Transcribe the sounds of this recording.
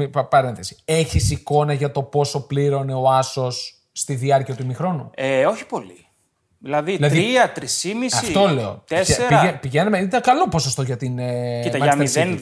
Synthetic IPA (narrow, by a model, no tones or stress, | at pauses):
ippɐɾenθesi̥e̞çisiko̞nɐʝɐt̪o̞po̞so̞pliɾo̞ne̞o̞ɐso̞sː | t̪iðiɐɾciɐt̪uimixɾo̞nueo̞çi̥po̞li | ðilɐðiilɐðiiɐt̪ɾisimisɐfit̪o̞le̞o̞̰t̪eseɾiɐepiʝenɐmeit̪ɐkɐlo̞posost̪o̞ʝɐt̪init̪ɐɐɐmien